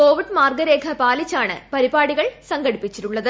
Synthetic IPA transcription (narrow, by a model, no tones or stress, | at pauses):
ko̞ːʋiɖmaːrɡɐɾe̞ːkʰɐpaːlit͡ɕːaːɳɨ̰pɐɾibaːɽiɣɐɭsɐŋɡɐɽipːit͡ɕːiɾuɭːɐðɨ